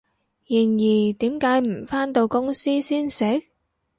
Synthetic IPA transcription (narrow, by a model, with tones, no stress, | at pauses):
ji˨˩njiː˨˩t̪iː˨˥mkaː˨˥jm̩˨˩faː˥nt̪o˧wkʊ˥ŋsiː˥siː˥nsɛ˨˥